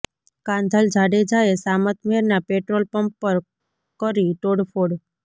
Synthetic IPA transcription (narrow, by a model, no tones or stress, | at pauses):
kãnd̪ʱəld͡ʒʱaɽed͡ʒaesamət̪meɾnapeʈɾolpəmpːəɾ | kəɾiʈoɽfʰoɽ